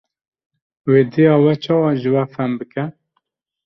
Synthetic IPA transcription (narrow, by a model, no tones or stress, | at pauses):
weːd̪ejɑːwɛt͡ʃʰɑːwɑːʒɨwɛfɛmbɨkɛ